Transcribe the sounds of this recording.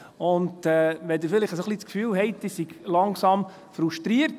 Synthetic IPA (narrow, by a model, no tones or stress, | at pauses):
ʊndɛʋɛd̪ɪɾfɪlɪχəsoχlit͡skfyːlhɛɪt̚d̥̪isiɡlɑŋsɑm | fɾuʃtɾiəɾt